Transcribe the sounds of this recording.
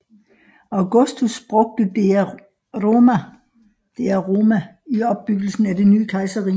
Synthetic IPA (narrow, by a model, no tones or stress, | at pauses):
ɑ̈ʊɡ̥ɔsd̥usb̥ʁɔ̽ɡ̥̚d̥əde | ʁomæ | d̥e̝æʁo̝ːmæ | iɒ̽b̥̚ːyɡ̥l̩sn̩æd̥e̝ny̰ːkʰɑ̈ɪsɐʁḭː